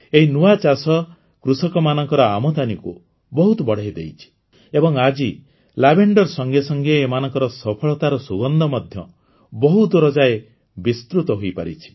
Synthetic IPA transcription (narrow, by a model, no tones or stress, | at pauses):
eɦinuat͡ʃasɔ | kɾusɔkɔmanɔŋkɔɾɔamɔt̪aniku | bɔɦut̪ɔbɔɽ̤ajd̪ḛjt͡ʃʰi̥ | ebɔŋad͡ʒi | labeɳɖɔɾsɔŋɡesɔŋɡeemanɔŋkɔɾɔsɔpʰɔɭɔt̪aɾɔsuɡɔnd̪ʱɔmɔd̪ʱjɔ | bɔɦut̪ɾɔd͡ʒae | bist̪ɾut̪ɔɦoijpa̰ɾit͡ʃʰi̥